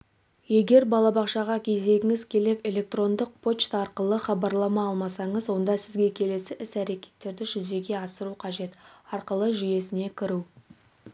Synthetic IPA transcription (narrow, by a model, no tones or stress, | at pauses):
je̞ɡʲe̞ɾbɑlˠɑbɑqʃɑʁɑkʲʰe̞zd̪e̞ɡʲɪŋɪzkʲʰe̞le̞ke̞lʲe̞k̚t̪ro̞nd̪əq̚pʰo̞t͡ʃt̪ɑɾqəlˠəχɑbɑɾlˠɑmɑɑlˠmɑsɑɴəzwo̞nd̪ɑsɪzɡʲe̞kʲʰe̞le̞sɪʔɪsæɾe̞kʲe̞̥t̪ːe̞ɾd̪ɪʒʏze̞ɡʲe̞ɑsəɾuqʰɑʒe̞t̪ɑɾqəlˠəʒʏje̞sɪne̞kʲʰɪɾu